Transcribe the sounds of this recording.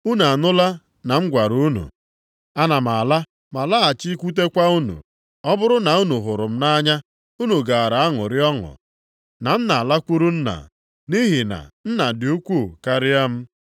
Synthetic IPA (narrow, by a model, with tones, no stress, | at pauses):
u˦na˨nʊ˦la˦ | na˨m̩˦ɡʷa˨ɾu˦nṵ˨ | a˦na˨m˨a˨la˦ | ma˨la˦a˨t͡ʃi˦kʷu˦t̬e˦kʷa˦u˦nṵ˨ | ɔ˦bʊ˦ɾʊ˦na˨u˦nu˨ɦʊ˨ɾʊ˨m̩˦na˦ɲa˦ | u˦nu˨ɡa˨a˨ɾa˨a˦ŋʊ̰˨ɾɪ˦ɔ˦ŋʊ̰˨ | na˨n̩˦na˨a˨la˦kʷu˦ɾu˦n̩˦na̰˨ | ni˦ɦi˨na̰˨n̩˦na˨dɪ˨u˦kʷu˦˨ka˦ɾɪ˦a˦m̩˦